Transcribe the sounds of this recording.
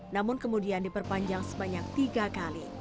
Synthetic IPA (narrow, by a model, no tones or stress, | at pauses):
namʊnkəmudiandipərpaɲd͡ʒaŋsəbaɲak̚t̪iɡakali